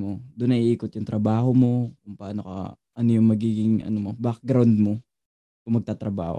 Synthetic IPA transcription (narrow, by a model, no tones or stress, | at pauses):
mod̪ʊnɐʔiʔiːkot̪jʊŋt̪ɾɐbaːɦomo̞kʊŋpɐʔaːnokɐ̰ | ʔɐnojʊŋmɐɡiːɡɪŋʔɐ̰nomobak̚ɡɾawnd̪̚mo | kʊŋmɐɡ̚t̪aːt̪ɾɐba̰ːho̰